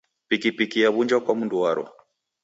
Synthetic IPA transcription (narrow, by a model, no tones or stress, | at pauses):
pikipikiaβuɲd͡ʒakwamunduwaɾɔ̰